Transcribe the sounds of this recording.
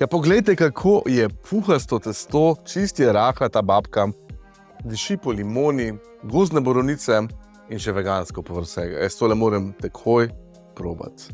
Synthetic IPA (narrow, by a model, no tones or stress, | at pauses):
japɔɡlɛjt̪ɛkakʰoːjɛpʰuːxast̪ot̪ɛst̪oːt͡ʃist̪ijɛɾaːxlat̪aːbaːpka | d̪iʃipɔlimoːni | ɡoːznɛbɔɾɔwnit̪sɛ | inʃɛʋɛɡaːnskɔpɔʋəɾsɛːɡa̰jɛst̪oːlɛmoːɾɛmt̪ɛkʰoj | pɾo̰ːba̰t̪